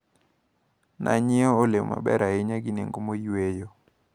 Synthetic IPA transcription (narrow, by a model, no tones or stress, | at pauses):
nʔa̰ɲɪɔolewma̰bɛ̰ɾaɪɲaɡɪnḛŋɡomojwejo